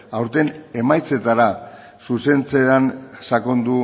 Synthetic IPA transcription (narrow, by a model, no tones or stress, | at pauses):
awɾt̪e̞ne̞majt͡se̞t̪aɾa | suse̞nt͡seansako̞nd̪u